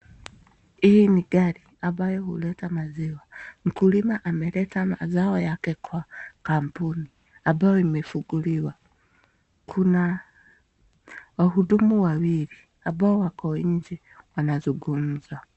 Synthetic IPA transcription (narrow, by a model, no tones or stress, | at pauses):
ihiniɡaɾi | ambajɔhulɛtamaziwaŋ̩kulimaʔamɛlɛtamazaɔjakɛkʰwakampuni | ambaɔimɛfuɡuliwa | kʰuna | waɦudumuwawili | abaɔwakɔiɲd͡ʒi | wanazuɡum̩za